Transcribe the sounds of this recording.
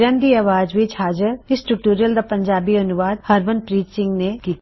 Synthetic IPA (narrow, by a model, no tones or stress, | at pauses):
ɾãːnd̪iaːʋaːd͡ʒʋɪt͡ʃhaːd͡ʒəɾɪsʈʊʈuːɾiəld̪aːpə̃ɲd͡ʒaːbiɐnʊʋaːd̪̚həɾʋənpɾiːt͡ʃsɪ̃ŋɡnekiːt̪ː